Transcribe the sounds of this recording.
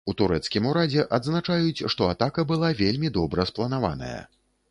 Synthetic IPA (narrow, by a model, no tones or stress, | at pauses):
ut̪uɾɛt̪skʲimuɾad͡zʲɛʔad̪znat͡ʂajut͡sʲʂt̪ɔat̪akɐbɨlˠavʲelʲmʲid̪ɔbɾɐsplˠɐnava̰nɐ̰jɐ̰